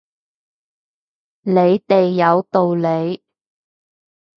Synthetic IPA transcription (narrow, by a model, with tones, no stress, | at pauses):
le˨˧jt̪e˨jːɐ˨˧wt̪o˨wle˨˧j